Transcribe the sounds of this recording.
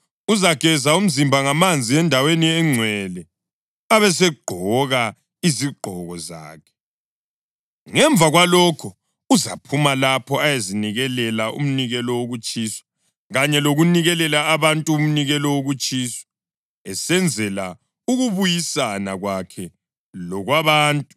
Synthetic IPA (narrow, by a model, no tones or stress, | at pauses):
uzaɡ̥ʱɛzaum̩zimbʱaŋamand͡zʱiɛndʱaweniɛŋ͡ǀʱwɛlɛ | aβɛs̬ɛɡ͡ǃʱɔɣa | iziɡ͡ǃʱɔɣɔza̰ːkʰɛ̥ | ŋɛɱb̪vʱaɣwalɔkʰɔ | uza̰pʰumalapʰɔajeziniɣɛlɛlaʔṵm̩niɣɛlɔwoɣut͡ʃʼisɔ̥ | ɣaɲɛloɣuniɣɛlɛlaːβantʼuːm̩niɣɛlɔwoɣut͡ʃʼiːsɔ̥ | ɛsɛnd͡zʱɛla | uɣuβujisanaɣwakʰɛ | lɔɣwaβaːntʼu